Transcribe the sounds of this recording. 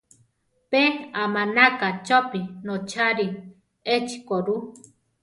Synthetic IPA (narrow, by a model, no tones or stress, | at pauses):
peamanakat͡ʃopinot͡ʃʰaɾi | et͡ʃi̥koɾu